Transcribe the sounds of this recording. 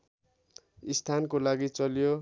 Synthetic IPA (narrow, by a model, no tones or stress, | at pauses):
ist̪ʰankolaɡit͡sʌljo